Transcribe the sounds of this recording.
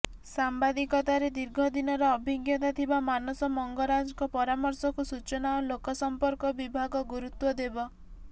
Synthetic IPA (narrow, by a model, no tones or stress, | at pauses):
sambad̪ikɔt̪aɾed̪iɾɡʱɔd̪inɔɾɔːbʱiɡjɔt̪at̪ʰibamanɔsɔmɔŋɡɔɾad͡ʒɔkɔpɔɾamɔɾsɔkusut͡ʃɔnaɔlokɔsɔmpɔɾkɔbibʱaɡɔɡuɾut̪wɔd̪ebɔ